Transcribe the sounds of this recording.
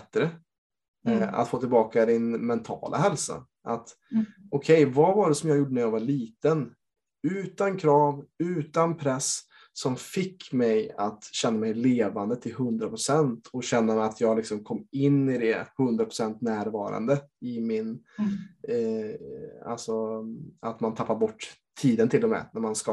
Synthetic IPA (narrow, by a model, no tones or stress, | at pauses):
t̪ːɾə | a̰t̪foːt̪ɪlbɑːkad̪ɪnmɛnt̪ʰɑ̰ːlʔa̰hɛlsa̰ | ʔat̪ | ɔkʰɛjvavaɖɛsɔmjɑːɡjuːɖːənɾjɑːɡvaɭiːt̪ən | ʉ̟ːt̪ankʰɾɑːvʉ̟ːt̪anpʰɾɛs | sɔmfɪkːmɛjat̪ɕɛnːamɛjleːvand̪ət̪ʰɪlɦɵnd̪ɾapʰɾʊsɛnt̪ʰɔɕɛnːamɛat̪ʰjɑːɡlɪksɔmkʰɔmːɪnːɪd̪ɛhɵnd̪ɾapʰɾ̥ʊ̥sɛnt̪næːɾvɑːɾa̰nd̪əɪmɪn | a̰lsɔa̰t̪mant̪ʰapːaɾbɔʈːt̪ʰːiːd̪ənt̪ʰɪlːɔmɛ̰næɾmanska